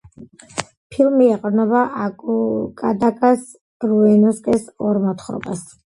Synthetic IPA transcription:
pʰilˠmiɛqʼɾnɔbaʔakukʼad̪akʼas | ɾuɛnɔskʼɛsɔɾmɔt̪ʰχɾɔ̰bas

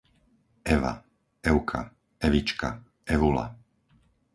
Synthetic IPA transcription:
ɛʋa̰ | ɛʊkʰa̰ | ɛʋit͡ʃka̰ | ɛʋula̰

